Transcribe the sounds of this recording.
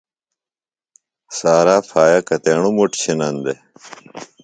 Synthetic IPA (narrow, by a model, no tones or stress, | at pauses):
saːɾaːfʰaːjɐkɐt̪eːɳumuʈɕʰinɐnd̪e